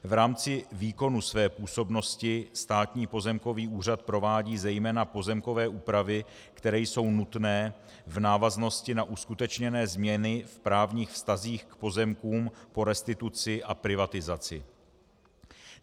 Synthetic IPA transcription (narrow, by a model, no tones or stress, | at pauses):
vɾaːmt͡sɪviːko̞nusvɛːpuːso̞bno̞scɪst̪aːt̪ɲiːpo̞zɛmko̞viːʔuːr̝at̪̚pɾo̞vaːɟiːzɛjmɛːnapo̞zɛmko̞vɛːʔuːpɾavɪ | kt̪ɛɾɛːjso̞wnut̪nɛː | vnaːvazno̞scɪnaʔuskut̪ɛt͡ʃɲɛnɛːzmɲɛnɪfpɾaːvɲiːxfst̪aziːxkpo̞zɛmkuːmpo̞ɾɛst̪ɪt̪ut͡sɪʔapɾɪvat̪ɪzat͡sɪ